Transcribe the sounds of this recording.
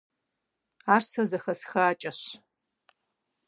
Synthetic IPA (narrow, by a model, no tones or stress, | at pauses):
aːrsɐzɐxɐsxɐːt͡ʃʼɐɕ